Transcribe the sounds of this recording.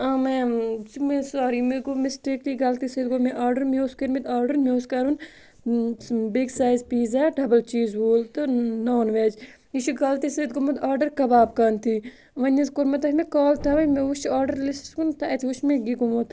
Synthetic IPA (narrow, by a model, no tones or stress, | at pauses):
amesmesaːɾimeɡomesʈikliɡɐlt̪isɐd̪ɡomẽʔaːɾɖɐɾmʲoːskɐɾmit̪aːɾɖɐɾmʲjoːskɐɾun | beːksaːjzpiːzaːɖɐbɐlt͡ʃiːzʋoːlt̪ɨnoːnʋeːd͡ʒ | iʃuɡɐlt̪isɐt̪ɡomot̪aːɾɖɐɾkɐbaːb̚kɐnt̪ʰi | ʋɐnɐzkoɾmɐt̪̬ɐkʰʲmẽkaːlt̪ʰɐʋɐmẽʋuʃaːɾɖɐɾlisskunt̪ɐɐt̪ʰʋuʃmẽɡiɡomot̪